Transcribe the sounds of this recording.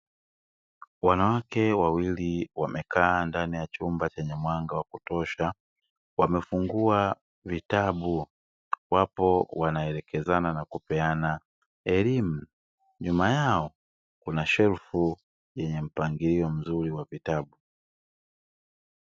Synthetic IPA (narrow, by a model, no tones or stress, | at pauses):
wanawakɛwawiliwamɛkʰaːndanijat͡ʃumbat͡ʃɛɲamwaŋɡawakutɔʃa | wamɛfuŋɡua | vitaɓu | wapɔwanaɛɾɛkɛzananakupɛana | ɛlim̩ | ɲumajaɔ | kunaʃɛɾfu | jɛɲɛm̩paŋɡiɾiɔm̩zuɾiwavitaɓu